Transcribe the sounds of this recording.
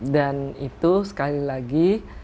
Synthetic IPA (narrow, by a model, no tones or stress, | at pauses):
danit̪usə̥kalilaɡi